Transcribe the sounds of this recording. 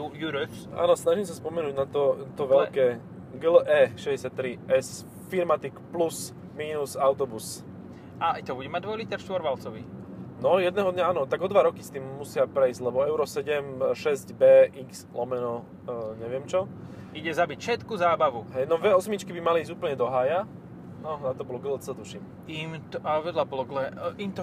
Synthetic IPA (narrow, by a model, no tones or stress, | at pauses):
ujuɾɔksa̰ːnɔsnaʒimsaspɔmɛnuːɟnat̪ɔt̪ɔʋɛlkɛː | ɡlʔɛːʃɛɟɛsjatt̪ːɾiʔɛs | fiɾmat̪ikplus | miːnusaʊt̪ɔbus | at̪ɔbuɟɛmaɟ̚d̪ʋɔjlit̪ɛɾʃt̪ʋɔɾʋalt͡sɔʋḭ | nɔjɛd̪nɛɦɔd̪ɲaaːnɔt̪aɡɔd̪ʋaɾɔkist̪iːmːusɪapɾɛizɟlɛbɔɛʊɾɔsɛɟɛmʃɛzɟbɛːʔikslɔmɛnɔ | ɲɛʋɪɛmt͡ʃɔ | iɟɛzabicfʃɛt̪kuzaːbaʋuɦɛjnɔʋɛɔsmit͡ʃkibimaliːɟuːpl̩ɲɛd̪ɔɦaːja | nɔnat̪ɔbɔlɔɡlɛt͡sɛt̪uʃim | imt̪ɔaʋɛd̪labɔlɔɡlɛʔimt̪ɔ